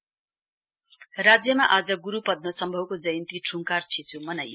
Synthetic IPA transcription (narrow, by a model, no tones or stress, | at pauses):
rad͡zjʌmaʔad͡zʌɡuɾupʌd̪̚mʌsʌmbʱʌwkod͡zʌjnt̪iʈʰuŋkart͡sʰit͡sʰumʌnaj